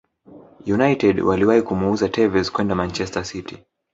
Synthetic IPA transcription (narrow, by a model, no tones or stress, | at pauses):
junajtɛdwaliwaikumuuzatʰɛvɛzkwɛndamant͡ʃɛstasiti